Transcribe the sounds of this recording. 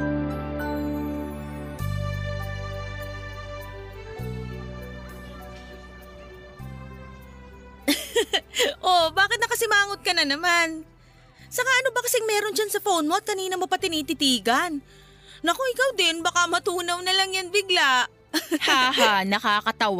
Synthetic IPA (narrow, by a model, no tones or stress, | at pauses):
ʔo̞baːkɪt̪̚nɐkɐsɪmaːŋot̪̚kɐnɐnɐman | sɐŋaʔɐno̞bɐkɐsɛŋmɛːɾo̞nd͡ʒansɐfownmo̞ʔɐt̪̚kɐniːnɐmo̞pɐt̪ɪniːt̪ɪt̪iːɡɐnː | ɐkoʔɪkawd̪ɪnbɐkamɐt̪uːnɐwnɐlɐŋjaŋbɪɡlaʔ | hahanɐkakɐt̪ɐw